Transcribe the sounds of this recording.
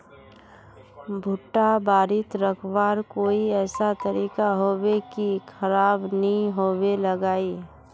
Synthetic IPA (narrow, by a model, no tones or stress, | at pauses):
bʱʊʈːabaːɾɪt̪ɾəkʰʋaːɾkoːiɛːsat̪əɾiːkaɦoːwekikʰɐɾaːbnɐɦĩɦoːweləɡaːi